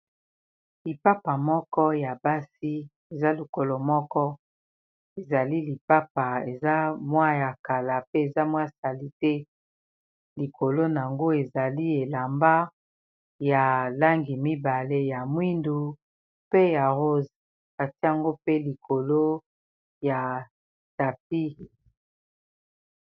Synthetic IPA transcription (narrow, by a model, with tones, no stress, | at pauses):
li˨pa˦pa˨mɔ˦kɔ˦ja˨ba˦si˦ | e˨za˦lu˨ko˨lo˨mɔ˦kɔ˦ | e˨za˨li˦li˨pa˦pa˨e˨za˦mwa˦ja˨ka˨la˨pe˦e˨za˦mwa˦˨sa˨li˦tɛ˦ | li˨ko˨lo˦na˨a˨ŋɡo˦e˨za˨li˦e˨la˨mba˦ | ja˨la˦ŋɡi˨mi˦ba˨le˦ja˨mwi˦ndu˨ | pe˦ja˨ʁo˦z | ka˨ti˦a˨ŋɡo˦pe˦li˨kʰo˨lo˦ | ja˨ | ta˨p̚i˦